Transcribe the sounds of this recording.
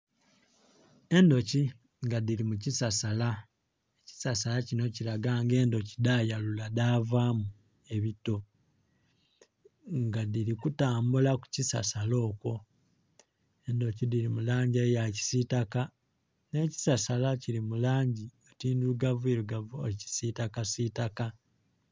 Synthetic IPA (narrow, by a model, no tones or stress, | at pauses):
e̞ndo̞ci | ŋɡadilimucisasala | eci̥sasalacino̞ciɾaɡaːŋɡe̞ːndo̞cidajaluladaːvamu | e̞βito̞ | ŋɡadilikutaːmbulaku̥cisa̰salo̞ːkwo̞ | endo̞cidiɾimulaːɲɟejaci̥sitaka | ne̞ci̥sasalaciɾimulaːɲɟiotiːnduluɡavueluɡavuolici̥sitakasitaka